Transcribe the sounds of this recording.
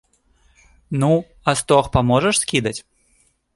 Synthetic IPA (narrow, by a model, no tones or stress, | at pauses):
nu | ɐst̪ɔxpamɔʐɛʂsʲkʲid̪ɐt͡sʲ